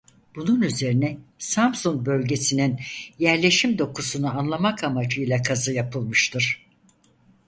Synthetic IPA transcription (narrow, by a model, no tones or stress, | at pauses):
b̥ununyze̞ɾinɛsamsunk̚bø̞lʲɟe̞sininjæɾlʲe̞ʃimd̪o̞kʰusunuanlˠamakamad͡ʒɯjlˠakʰazɯjapʰɯlˠmɯʃt̪ʰɯɾ̥